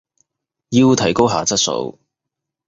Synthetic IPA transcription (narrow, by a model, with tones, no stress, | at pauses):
ji˧wt̪ʰɐ˨˩jko˥wɦaː˨˧t͡sɐ˥t̚so̰˨˥˧w